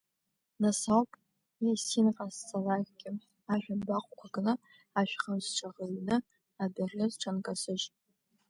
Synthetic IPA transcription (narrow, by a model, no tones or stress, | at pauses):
nasawpʼ | esinqʼazt͡sʰʼalakʲʼɡʲɪ | aʒᶣanbaqʷʼkʷʰaɡɨlɨ | aʃᶣχamzʈ͡ʂʰaʁəɥnɨ | abarɨzʈ͡ʂʰankʼasɨʒ